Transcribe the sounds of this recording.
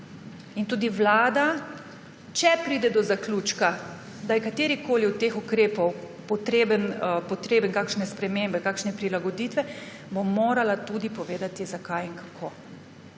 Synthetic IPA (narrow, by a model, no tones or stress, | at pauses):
int̪uːd̪iʋlaːd̪a | t͡ʃɛpɾiːd̪ɛd̪ɔzakluːt͡ʃka | d̪ajɛkat̪eːɾikoːliut̪exukɾeːpɔw | pɔt̪ɾeːbənpɔt̪ɾeːbəŋkaːkʃnɛspɾɛmembɛkaːkʃnɛpɾilaɡɔd̪it̪ʋɛ | bomoːɾalat̪ud̪ipɔʋeːd̪at̪izakajiŋkakʰoː